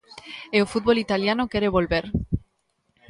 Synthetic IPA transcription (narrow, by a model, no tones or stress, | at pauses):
eofut̪̚βolit̪aljanokeɾeβ̞olβeɾ